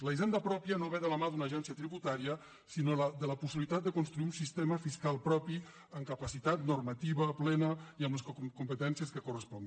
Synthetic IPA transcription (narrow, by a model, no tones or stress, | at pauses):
ləjzɛnd̪əpɾɔpjənoβɛðələmaðunəːʒɛnsjət̪ɾiβut̪aɾiə | sinoləd̪ələpusiβlit̪at̪̚d̪əkunst̪ɾuiunsist̪eməfiskalˠpɾɔpi | əŋkəpəsit̪at̪nurmət̪iβəplɛnəiəmləskumpət̪ɛnsiəskəkurəspɔn